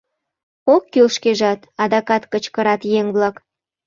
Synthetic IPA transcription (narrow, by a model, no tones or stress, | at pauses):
okːylʃkeʒɑt̪ɑd̪ɑkɑt̪kət͡ɕkəɾɑt̪jeŋβlɑk